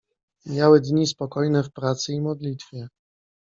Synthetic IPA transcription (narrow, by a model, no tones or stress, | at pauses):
mʲjawɛd̪ɲispɔkɔjnɛfpɾat̪sɘimɔd̪lʲit̪fʲjɛ